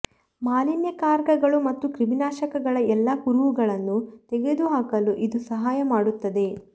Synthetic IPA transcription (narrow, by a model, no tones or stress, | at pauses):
maːlinjɐkaːɾɡɐɡɐɭumɐt̪ːukɾiminaːʃɐkɐɡɐɭɐɛlːɐkuɾuʋuɡɐɭɐnːut̪eɡe̞d̪uɦaːkɐluʔid̪usɐɦaːjɐmaːɽut̪ːɐd̪e̞